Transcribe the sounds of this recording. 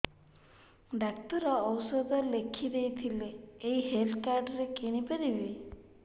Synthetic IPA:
ɖak̚t̪ɔɾɔːwsɔd̪ʱɔlekʰid̪ejt̪ʰileːiɦelt̪ʰkaɾɖɔɾekeñipeɾibe

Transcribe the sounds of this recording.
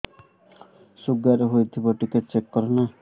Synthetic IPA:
suɡːaɾeɦojt̪ʰibɔʈiket̚t͡ʃekːɔɾena

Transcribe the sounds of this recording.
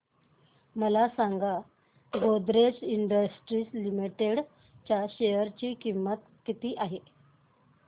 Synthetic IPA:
məlasaŋɡa | ɡod̪ɾet͡siɳɖəsʈɾiːslimiʈeɽ | t͡ɕjaɕejəɾt͡ɕiːkimːət̪ | kit̪iːʔaɦe

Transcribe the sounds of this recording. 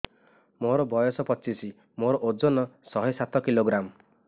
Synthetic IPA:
moɾɔbɔjɔsɔpɔt͡ʃisi | moɾɔʔod͡ʒonɔsɔɦɔjsat̪ʰɔkiloɡɾam

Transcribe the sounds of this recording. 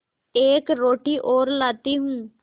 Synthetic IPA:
eːkɾoːʈiʔoːɾlaːt̪iɦũː

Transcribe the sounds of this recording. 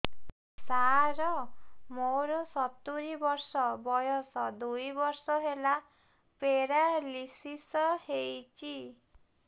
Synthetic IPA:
saɾɔmoɾɔsɔt̪uɾibɔɾsɔbɔjɔsɔd̪ujbɔɾsɔɦela | peɾalisisɔhejt͡ʃʰi

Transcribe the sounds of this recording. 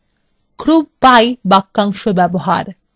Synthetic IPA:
kʰɾub̚pajbakːaŋʃobɛboɦa̰ɾ

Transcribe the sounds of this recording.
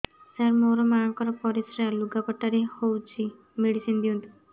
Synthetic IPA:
saɾmoɾɔmãkɔɾɔpɔɾisɾaluɡakɔʈːaɾehowt͡ʃʰi | meɽisind̪iũnt̪u̥

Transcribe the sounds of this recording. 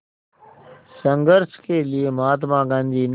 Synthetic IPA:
sə̃ŋɡəɾskeːliemaːt̪mãːɡə̃nd̪iːn

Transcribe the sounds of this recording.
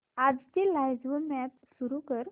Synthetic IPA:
ad͡zt̪ilajd͡zʋəmat̪suɾukəɾ

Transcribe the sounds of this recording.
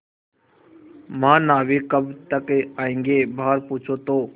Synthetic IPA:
mãːnaːʋeːkəbt̪əkeaːẽːŋɡeːbʱaːɾpuːt͡ʃʰoːt̪oː

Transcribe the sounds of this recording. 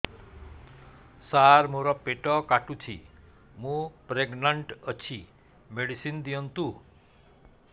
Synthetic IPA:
saɾmoɾɔpeʈɔkaʈũt͡ʃʰḭ | mũpɾeɡnəɳʈət͡ʃʰi | meɽisind̪iɔnt̪u

